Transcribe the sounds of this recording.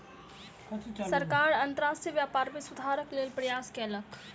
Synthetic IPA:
sɐɾkaːɾɐ̃nt̪əɾaːsʈjəʋjaːpaːɾʋɪsʊd̪ʱaːɾəkleːlpɾɐjaːskeɐlək

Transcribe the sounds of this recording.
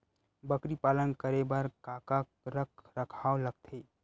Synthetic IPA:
bəkɾipaːlənkəɾebəɾkaːka | ɾəkʰɾəkʰaːoləɡ̚t̪ʰe

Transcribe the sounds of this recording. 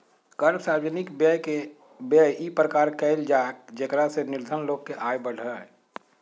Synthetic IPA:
kəɾbsaːwd͡ʒənɪkbəe | bəipɾəkaːɾkəld͡ʒaːkd͡ʒekɾasenɪɾd̪ʱənloːɡ̚keʔaːjbəɽ̤ə

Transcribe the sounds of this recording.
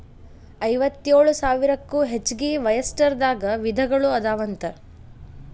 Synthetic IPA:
ɐjʋɐt̪ːjeːɭusaːʋiɾɐkːuːɦet͡ʃːɡiʋɐjɐsʈɐɾd̪aːɡɐʋid̪ʱɐɡɐɭuɐd̪aːʋɐnt̪ɐ

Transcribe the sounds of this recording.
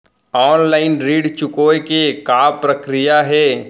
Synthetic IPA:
ɔːnlaːɪnɾiːɖt͡ʃʊkoːekekaːpɾəkɾɪjaɦɛː

